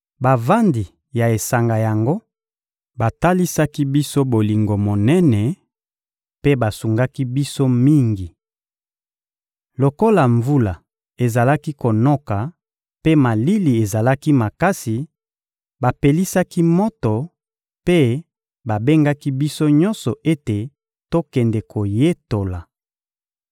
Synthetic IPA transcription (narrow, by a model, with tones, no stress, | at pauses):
ba˨va˦ndi˨ | ja˨e˨sa˨ŋɡa˨ja˨ŋɡo˦ | ba˨ta˦li˦sa˦ki˦bi˦so˦bo˨li˨ŋɡo˨mo˨nɛ˦nɛ˨ | pe˦ba˨su˨ŋɡa˦ki˦bi˦so˦mi˦ŋɡi˨ | lo˨ko˦la˨ɱvu˦la˨ | e˨za˨la˦ki˦ko˨nɔ˦ka˨ | pe˦ma˨li˦li˨e˨za˨la˦ki˦ma˨ka˦si˨ | ba˨pe˨li˦sa˦ki˦mɔ˦tɔ˨ | pe˦ | ba˨be˦ŋɡa˦ki˦bi˦so˦ɲɔ̃˦nsɔ˨ʔe˦te˨ | to˦kɛ˨ndɛ˨kʰo˨je˦to˨la˨